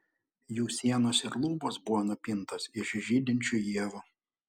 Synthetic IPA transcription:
juːsʲiɛnoːsɪɾlˠuːboːsbʊʋoːnʊpʲɪnt̪oːsɪʃʒʲiːd̪ʲɪnʲt͡ʃʲuːˑjiɛʋu

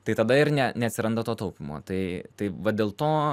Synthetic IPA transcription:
t̪ɐɪt̪ɐd̪ɐɪɾnʲɛnʲɛɐt̪ʲsʲɪɾɐnd̪ɐt̪oːt̪ɐʊpʲɪmo̰ːt̪ɐɪt̪ɐɪʋɐd̪ʲeːlˠt̪oː

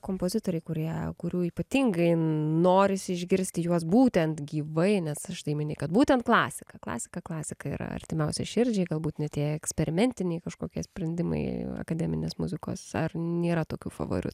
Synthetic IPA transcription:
koːmpoːzʲɪt̪oːɾʲɛɪkʊɾʲiɛkʊɾʲuːiːpɐt̪ʲiŋɡɐɪnoːɾʲɪsʲɪɪʒʲɡʲɪɾʲsʲt̪ʲɪjuɔs̬buːt̪ʲɛnt̪ɡʲiːʋɐɪnʲɛsɐʃt̪ɐɪmʲɪnʲɛɪkɐt̪buːt̪ʲɛnt̪klˠɑːsʲɪkɐklˠɑ̰ːsʲɪ̥kɐklˠɑːsʲɪkɐḭːɾɐ̰ɐ̰rʲt̪ʲɪmʲɛʊsʲɛ̰ʃʲɪɾʲd͡ʒʲɛɪɡɐlˠbuːt̪nʲɛt̪ʲiɛɛksʲpʲɛɾʲɪmʲɛnʲt̪ʲɪnʲɛɪkɐʃkoːkʲiɛsʲpʲɾʲɛnʲd̪ʲɪmɐ̰ɪɐ̰kɐd̪ʲɛmʲɪnʲḛːsmʊ̰zʲɪko̰ːsɐ̰rnʲeːɾɐt̪oːkʲṵːfɐ̰ʋo̰ːɾʲɪ̰t

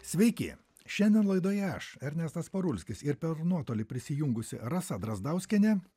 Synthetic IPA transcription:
sʲʋʲɛɪkʲɪ̰ | ʃʲɛnʲd̪ʲɛnlˠɐɪd̪oːjɛɐʃɛɾʲnʲɛst̪ɐspɐɾʊlʲsʲkʲɪsɪɾpʲɛɾnuɔt̪oːlʲɪpʲɾʲɪsʲɪjʊŋɡʊsʲɪ̰ɾɐsɐd̪ɾɐzd̪ɐʊsʲkʲɛnʲɛ

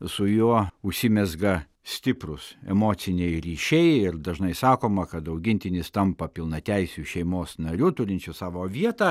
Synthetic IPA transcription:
sʊjuɔʊʃʲsʲɪmʲɛzɡɐ | sʲt̪ʲɪpɾʊsɛ̰moːt͡s̪ʲɪnʲɛɪɾʲiːʃʲɛɪɪrd̪ɐʒnɐɪsɑːkoːmɐkɐt̪ɐʊɡʲɪnʲt̪ʲɪnʲɪst̪ɐmpɐpʲɪlˠnɐt̪ʲɛɪsʲuʃʲɛɪmoːsnɐɾʲut̪ʊɾʲɪnʲt͡ʃʲʊsɑːʋoːʋʲiɛt̪ɐ

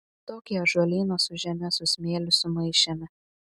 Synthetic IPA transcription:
t̪oːkʲiɐʒuɔlʲiːnosʊʒʲɛmʲɛsʊsʲmʲeːlʲʊsʊmɐɪʃʲɛmʲɛ

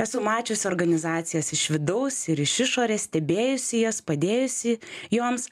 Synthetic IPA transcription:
ɛsʊmɑːt͡ʃʲoːsʲoːɾɡɐnʲɪzɑːt̪sʲɪjɛsɪʃʋʲɪd̪ɐʊsɪɾɪʃɪʃoːɾʲesʲt̪ʲɛbʲeːjʊsʲɪjoːspɐd̪ʲeːjʊsʲɪjuːɔms

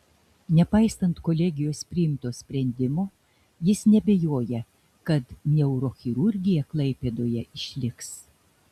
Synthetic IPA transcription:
nʲɛpɐɪst̪ɐnt̪kɔlʲɛɡʲɪjoːspʲɾʲɪɪmt̪oːsʲpʲɾʲɛnʲd̪ʲɪmoː | jɪsnʲɛbʲejoːjɛ | kɐt̪nʲɛʊɾoːxʲɪɾʊɾʲɡʲɪjɛklˠɐɪpʲed̪oːjɛʔɪʃʲlʲɪks

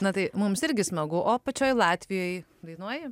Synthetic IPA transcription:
nɐt̪ɐɪmʊmsɪɾʲɡʲɪsmɐɡʊʔoːpɐt͡ʃʲoːjlˠɑːt̪ʲʋʲɪjoːj | d̪ɐɪnuɔjɪ

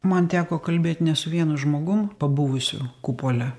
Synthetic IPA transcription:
mɐnt̪ʲæːkoːkɐlʲbʲeːt̪ʲnʲɛsʊʋʲiɛnʊʒmoːɡʊmpɐbʊʋʊsʲʊ̰kupoːlʲɛ

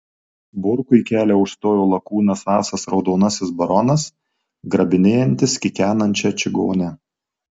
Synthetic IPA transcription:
bʊɾkʊɪkʲæːlʲɛʊʃst̪oːjoːlˠɐkuːnɐsɑːsɐsɾɒʊd̪oːnɐsʲɪsbɐɾɔnɐs | ɡɾɐbʲɪnʲeːjɛnʲt̪ʲɪskʲɪkʲæːnɐnʲt͡ʃʲɛt͡ʃʲɪɡo̰ːnʲɛ

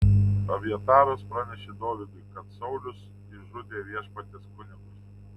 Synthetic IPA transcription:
ɐʋʲiɛt̪ɑːɾospɾɑːnʲɛʃʲeːd̪oːʋʲɪɡ̪ʊɪkɐt̪sɐʊlʲʊs | ɪʒʊd̪ʲeːʋʲiɛʃpɐt̪ʲeskʊnʲɪɡʊs

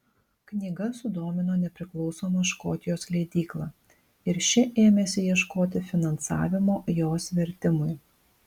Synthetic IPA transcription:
knʲiːɡɐsʊd̪oːmʲɪnoːnʲɛpʲɾʲɪklˠɒʊsoːmɐʃkoːt̪ʲɪjoːslʲɛɪd̪ʲiːklˠɑː | ɪɾʃʲɪʔeːmʲɛsʲɪjiɛʃkoːt̪ʲɪfʲɪnɐnsɑ̰ːʋʲɪmoːjoːsʋʲɛɾʲt̪ʲɪmʊɪ

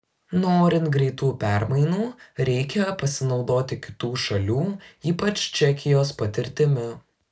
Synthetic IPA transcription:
noːɾʲɪnt̪ɡɾʲɛɪt̪uːpʲæɾmɐɪnuːɾʲɛɪkʲɛpɐsʲɪnɒʊd̪oːt̪ʲɪkʲɪ̥t̪uːʃɐlʲuːiːpɐt͡ʃʲt͡ʃʲɛkʲɪjoːspɐt̪ʲɪɾʲt̪ʲɪmʲʊ

